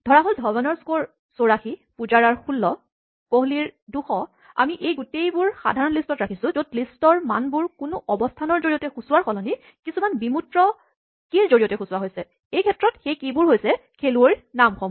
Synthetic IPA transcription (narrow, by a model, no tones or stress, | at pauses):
d̥ʱɔɹaɦoldʱɔbɔnɔɹskoɹ | soɹaxipud͡ʒaɹaɹxulːɔ | koɦuliɹduxɔ | a̰miʔejɡutejbʊɹxa̰dʱaɹɔnlistɔtɹakʰisʊ̃zodlistɔɹmanbʊɹkʊnʊʔɔbɔstʰanɔɹzoɹiɔtɛxusuwaɹxɔlɔni | kisumanbimutɹɔ | kiɹzoɹijɔtɛkxusuwaɦojsɛ | ejkʰɛtɹɔtxejkibʊɹɦojsɛkʰeluoɹnamkʰɔm